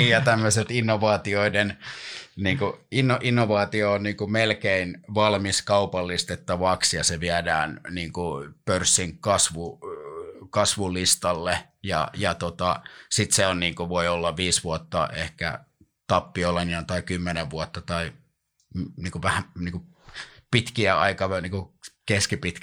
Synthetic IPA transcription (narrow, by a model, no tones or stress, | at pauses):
niːjɑt̪æmːøset̪inːoʋɑːt̪ioidenniːŋkuinːoʔinːoʋɑːt̪ioonniːŋkumelkeinʋɑlmiskɑupɑlːist̪et̪ːɑʋɑksjɑseʋiædæːnniːŋkupørsːiŋkɑsʋu | kɑsʋulist̪ɑlːe | jɑ̰jɑt̪ot̪ɑsit̪seonniːŋkuʋoiolːɑʋʋiːsʋuɑt̪ːɑ̰ehkæ̰ | t̪ɑpːioleniɑnt̪ɑikymːeneʋʋuot̪ːɑt̪ɑi | mniːŋkuʋæhæniːku | pit̪kiæʔɑ̰ikɑʋniːŋkukeskipit̪k